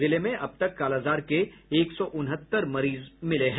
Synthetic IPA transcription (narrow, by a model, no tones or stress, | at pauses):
ɪlemẽʔɐb̚t̪ɐkːaːlaːzaːɾkeeːksɔʔʊnɦət̪ːəɾmɐɾiːzmɪleɦɛ̃